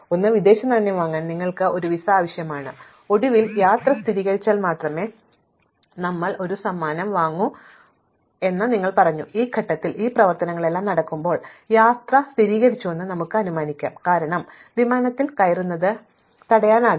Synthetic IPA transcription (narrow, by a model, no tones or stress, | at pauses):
o̞nːɨʋid̪e̞ːɕɐnt̪ɐnːjiʋaːŋːaːnniŋːɐɭkɨʔo̞ɾuʋisaːʋɐɕjɐmaːɳɨ | o̞ɽiʋiljaːt̪rɐst̪ʰiɾiːɣɐɾit͡ɕːaːlmaːt̪rɐme̞ː | nɐmːɐɭʔo̞ɾusɐmːaːnɐmʋaːŋːu | e̞nːɐniŋːɐɭpɐrɐɲːuiːkʰɐʈːɐt̪ːiliːprɐʋɐrt̪ɐnɐŋːɐɭe̞lːaːmnɐɽɐkːumbo̞ːɭjaːt̪rɐst̪ʰiɾiːɣɐɾit͡ɕːue̞nːɨnɐmukːɨɐnumaːnikʲːa̰ːmkaːɾɐɳɐm | ʋimaːnɐt̪ːilkɐjɐrunːɐðɨ | t̪ɐɽɐjaːnaː